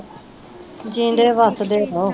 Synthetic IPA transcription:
d͡ʒĩːnd̪eːʋət̪ʰd̪eːɾoː

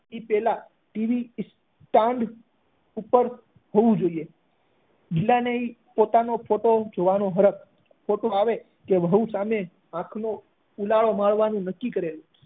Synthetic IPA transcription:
ipɛla | ʈiʋis | ʈãɳɖ | upəɾ | ɦoʋũd͡ʒoie | d͡ʒɪlːaneipot̪anofʰoʈod͡ʒoʋanoɦəɾək | fʰoʈoaʋe | keʋʱəɦusame | ãkʰno | ulaɭomaɭʋanũnəkːikəɾelũ

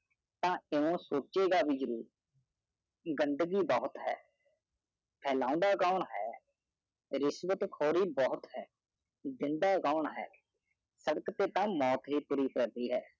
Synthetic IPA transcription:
t̪ãːeõːsoːt͡ʃeːɡaːʋiːd͡ʒəɾuːɾ | ɡənd̪əɡiːbɔːt̪ɦɛ̰ː | pʰɛːlãːʊ̃nd̪aːkaːɳɦɛː | ɾɪsʋət̪kʰoːɾiːbɔːt̪ɦɛː | d̪ɪnd̪aːkaːɳɦɛ̰ː | səɽəkt̪eːt̪ãːmɔːt̪ɦiːpuːɾiːpʰɛːɾd̪iːɦɛː

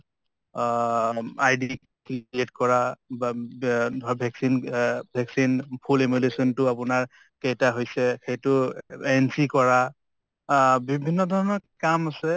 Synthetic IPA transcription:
ajdi | kɹietkɔɹa | dʱbʱɛksinbʱɛksinpʰulemulesɔntʊapʊnaɹ | kejtaɦojsɛxejtʊɛnsikɔɹa | bibʱinːɔdʱɔɹɔnɔkamasɛ

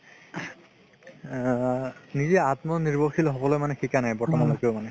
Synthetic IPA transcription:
nizɛatmɔniɹbɔxilɦɔbɔlɔjmanɛxikanajbɔɹtamanɔkeʊmanɛ

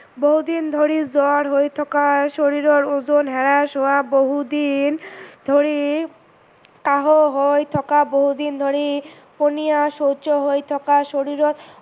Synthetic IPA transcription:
boɦud̪ind̪ʱoɾid͡zɔɾɦojt̪ʰɔkaʃoɾiɾoɾod͡ʑonɦɛɾaʃoaboɦud̪ind̪̥ʱoɾi | kaɦoɦojt̪ʰɔkaboɦud̪ind̪ʱoɾi | ponijaʃot͡ɕoɦojt̪ʰɔkaʃoɾiɾot̪

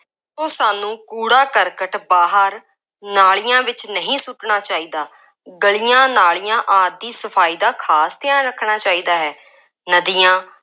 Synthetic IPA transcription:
sõːsaːnũːkuːɽaːkəɾkəʈbaːɦəɾ | naːɭijãːʋɪt͡ʃnəɦĩːsʊʈɳaːt͡ʃaːiːd̪aː | ɡəɭiːjãːnaːɭijãːʔaːd̪̚ːiːsəpʰaːiːd̪aːkʰaːst̪ɪãːɾəkʰɳaːt͡ʃaːiːd̪aːɦɛː | nəd̪iːjãː

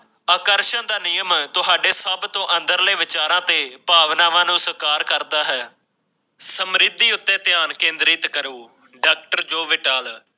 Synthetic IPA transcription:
aːkəɾʃənd̪aːnɪjəmt̪ʊɦaːɖeːsəbt̪õːʔənd̪əɾleːʋɪt͡ʃaːɾãːt̪eːpaːʋnaːʋãːnũːsəkaːɾkəɾd̪aːɦɛː | səmɾɪd̪ːiːʊt̪ːẽːt̪ɪjaːnkẽːnd̪ɾiːt̪kəɾuː | ɖaːk̚ʈəɾd͡ʒoːʋɪʈaːl

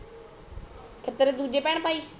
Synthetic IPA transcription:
kʰɪɾt̪əɾed̪uːd͡ʒepɛːɽ̃paːiː

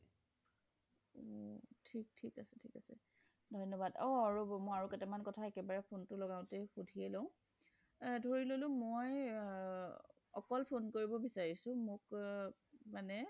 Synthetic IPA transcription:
otʰik̚tʰikasɛ̥tʰikasɛ̰ | dʱɔnɔbadɔaɹumɔjaɹukɛtɛmankɔtʰaɛkɛbaɹɛpʰontʊlɔɡaʊ̃texudʱiɛlɔ̃ʊ̃ | dʱoɹilolʊ̃moj | ɔ̰kɔlpʰonkoɹibɔbisaɹisʊ̃mʊk | manɛ

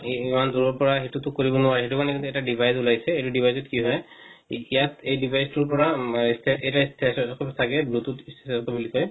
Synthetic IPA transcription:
imanduɹɔɹpɔɹaɦetutʊkoɹibɔnʊaɹɛɦetukanɛkintuɛtadibʱajzulajsɛejtudibʱajzɔtkiɦɔj | ijatejdibʱajstuɹpɔɹaistʰɛejtaistʰɛsɔkʰɔtʰakɛblututistsɔtɔbulikɔj

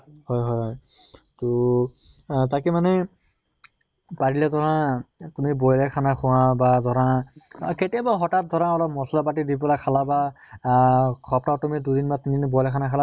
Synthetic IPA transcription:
hɔjɦɔjɦɔj | tɔ | takimanɛ | paɹilɛdɔɹãtumibɔjlakʰanakʰʊ̃wabadʱɔɹaketibaɦɔtat̚dʱɔɹãɔlɔp̚mɔsɔlap̬atidipɔlakʰalaba | kʰɔp̚tatumidudinbatindinbɔjlakʰanakʰala

